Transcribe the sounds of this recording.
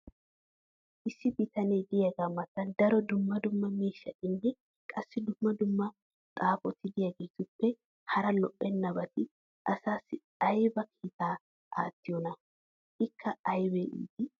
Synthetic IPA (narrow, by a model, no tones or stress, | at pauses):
ʔɪsːɪbɪt̪ɐneːd̪ɪjɐɡamːɐt̪ːɐnd̪ɐɾɔd̪ʊmːɐd̪ʊmːɐmiːʃːɐt̪ʼɪnːɛ | kʼɐsːɪd̪ʊmːɐd̪ʊmːɐ | t̪ʼaːfɔt̪ʰɪd̪ɪjaɡeːt̪ʊpːɛ | hɐɾɐlɔʔʼːɛnːɐbɐt̪ɪ | ʔɐsaːsːɪ | ɐjbɐkʰiːt̪aː | ʔa̰ːt̪ːɪjɔnɐ | ɪkːɐɐjbɛʔḭːd̪ɪ